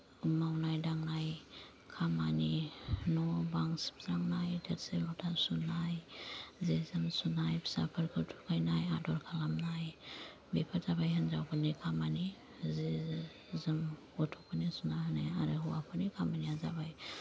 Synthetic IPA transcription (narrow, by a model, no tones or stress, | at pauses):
umawnajdaŋnaj | kʰamaninɔbaŋsi̥psɾaŋnajdʰeɾsemɔtʰasunajzezɯmsunajpʰi̥sa̰pʰəɾkʰətʰukʰajnajadɔɾkʰalamnaj | bepʰaɾzabajɦənzawkʰɯɾnikʰamani | ze | zɯm | ɔtʰɔkʰɯnisunaɦnajaɾɯɦuwapʰɯnikʰamanijazabaj